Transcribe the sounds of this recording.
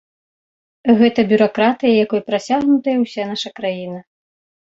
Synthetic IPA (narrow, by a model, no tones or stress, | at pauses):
ɣɛt̪ɐbʲuɾakɾat̪ɨjɐjakɔjpɾat͡sʲaɣnut̪ɐjɐwsʲanaʂɐkɾajinɐ